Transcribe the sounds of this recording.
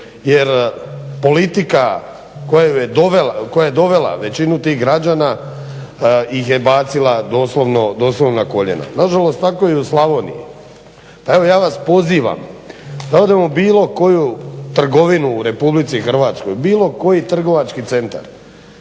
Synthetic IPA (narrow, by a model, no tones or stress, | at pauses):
jeɾpo̞lit̪ika | kojaujed̪o̞ʋelako̞jajed̪o̞ʋe̞la̰ʋe̞t͡ɕinut̪iːɣɡɾad͡ʒaːna | jixjebaːt̪silˠad̪oːslˠoʋnod̪o̞ːslo̞ʋnako̞ʎḛna̰naʒalo̞st̪tako̞jiuslˠaʋo̞nḭji | pae̞ʋo̞jaːʋaspo̞ziːʋa̰md̪aod̪emobiːlˠo̞ko̞jut̪r̩ɡo̞ʋinuːɾe̞publit̪sixr̩ʋaːt̪sko̞jbiːlˠo̞ko̞jit̪r̩ɡo̞ʋat͡ʃkit̪se̞nt̪a̰ɾ